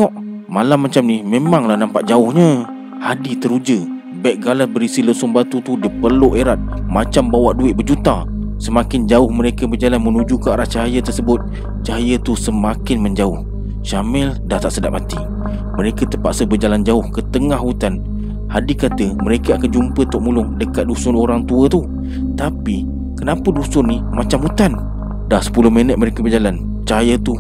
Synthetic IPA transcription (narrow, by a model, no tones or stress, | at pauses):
ŋɔʔ | malamːat͡ʃamnihmemaŋlahnampaʔd͡ʒaʊhɲə | hadit̪əɾud͡ʒə | bɛʔ̚ɡalasbəɾisilʊsuŋbat̪ut̪udipərluʔeɾat̪̚mat͡ʃambawaʔduɪt̪̚bərd͡ʒut̪asəmakɪnd͡ʒaʊhməɾekəbərd͡ʒalanmənud͡ʒukəaɾaht͡ʃaɦajət̪ərsəbʊt̪̚ | t͡ʃaɦajət̪usəmakɪnməɲd͡ʒaʊh | ʃamɛldaht̪aʔsədapat̪i | məɾekət̪əpaʔsəbəd͡ʒaland͡ʒaʊhkət̪əŋahut̪an | hadikat̪əməɾekəakand͡ʒumpət̪ʊʔ̚mulʊŋdəkat̪̚dusʊnoɾaŋt̪uət̪u | t̪api | kənapədusʊnːimat͡ʃamhut̪an | dahsə̥pulʊhmənət̪̚məɾekəbərd͡ʒalan | t͡ʃajət̪u